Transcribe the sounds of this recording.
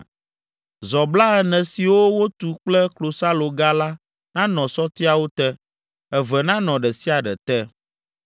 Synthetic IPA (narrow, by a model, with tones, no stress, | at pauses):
zɔ˨bla˦ɛ˨nɛ̃˨si˨wo˦wo˦t̪u˨k͡plɛ˦klo˨sa˦lo˨ɡa˦la˦ | nã˦nɔ̃˨sɔ˦t̪i˦a˨wo˦t̪ɛ˦ | ɛ˨vɛ˨nã˦nɔ̃˨ɖɛ˨si˦a˨ɖɛ˨t̪ɛ˦